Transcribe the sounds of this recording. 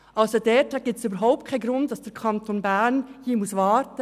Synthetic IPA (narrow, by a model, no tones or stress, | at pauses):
ʔɑlsod̥ɛtʰaɡ̥iːp̚tsyːbəɾɦaʊp̚t̚kʰaɪnɡɾʊntd̥ɑsd̥ɛɾkʰɑntʰonbænhiːmʊsvɑːɾtə